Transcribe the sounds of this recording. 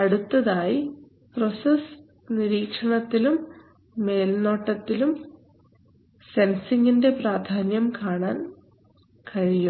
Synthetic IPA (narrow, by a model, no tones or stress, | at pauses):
ɐɽut̪ːɐðaːji | pro̞sɐs | niɾiːkʂɐɳɐt̪ːilumː | e̞ːlno̞ːʈːɐt̪ːilum | sensiŋɡinde̞praːd̪ʱaːnjɐmkaːɳaːn | kɐɻijum